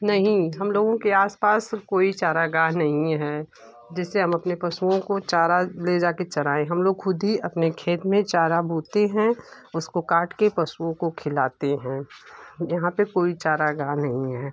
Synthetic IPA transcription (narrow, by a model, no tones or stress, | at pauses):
nɐɦĩɦɐmloːɡõkeaːspaːskoːit͡ʃaːɾaɡãːɦnɐɦĩɦɛː | d͡ʒɛːseɦɐmɐpnepɐsuõkot͡ʃaːɾaled͡ʒaːket͡ʃɐɾaːẽɦɐmloːɡxʊd̪ʱiɐpnekʰeːt̪mẽt͡ʃaːɾabʱuːt̪eɦɛ̃ | ʊskokaːʈkepɐsuõkokʰɪlaːt̪eɦɛ̃ːjɐɦãpekoːit͡ʃaːɾaɡãːɦnɐɦĩɦɛː